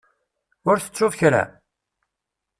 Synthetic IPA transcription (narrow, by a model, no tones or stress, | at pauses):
ʊɾθə̥t͡sːʊvçɾæ̰